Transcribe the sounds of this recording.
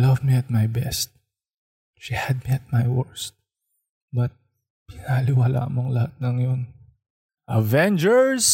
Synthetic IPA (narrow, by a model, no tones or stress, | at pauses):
lɐvmiɐt̪̚majbɛst̪̚ | ʃihad̪̚miɐt̪̚majwɛɹst̪̚ | bɐt̪̚ | pɪnahɐlɪwala̰ːʔmoɐŋlɐhat̪̚nɐŋjon | ʔɐvɛnd͡ʒɛɹs